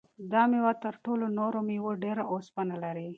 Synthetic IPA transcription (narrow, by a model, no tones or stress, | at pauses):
d̪ɑmewat̪əɾʈolonoɾomiwoɖeɾaʔospanalaɾi